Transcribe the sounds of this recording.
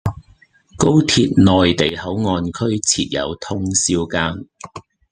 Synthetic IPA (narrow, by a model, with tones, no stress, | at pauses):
ko˥wt̪ʰiː˧t̚nɔː˨jt̪e˨jhɐ˨˥wŋɔː˧nkʰɵ˥ɥt͡sʰiː˧t̚jɐ̰˨˧wt̪ʰʊ˥ŋsiː˥wkaː˥n